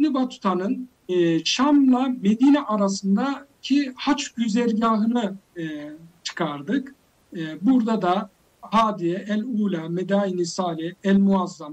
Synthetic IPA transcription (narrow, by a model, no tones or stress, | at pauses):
nibat̪ʰu̥t̪ʰanɯn | t͡ʃamlˠame̞d̪iːnɛʔaɾas̬ɯnd̪acʰihat͡ʃɟyzɛɾɟaːɦɯnɯ | t͡ʃʰɯ̥kʰaɾd̪ɯkː | buɾd̪ad̪a | haːd̪ijɛʔɛlʲuːlʲamed̪aːinisaːlʲɛɛlʲmuazːam